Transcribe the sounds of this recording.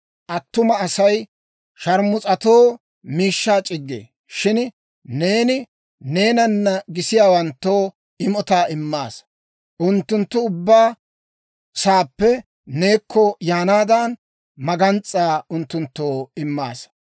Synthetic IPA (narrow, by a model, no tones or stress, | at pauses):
ʔɐt̪ːʊmɐːsɐj | ʃɐɾmʊt͡sʼɐt̪o̞ː | miːʃːaːt͡ʃʼɪɡːḛː | ʃɪn | ne̞ːnɪ | ne̞ːnɐnːɐɡɪsɪjaːwɐnt̪ːo̞ː | ɪmɔt̪aːɪmːaːs | ʔʊnt̪ːʊnt̪ːʊʊbːaː | saːpːɛ | ne̞ːkʰːɔjaːnaːd̪an | mɐɡɐnt͡sʼːaːʊnt̪ːʊnt̪ːoːɪmːa̰ːs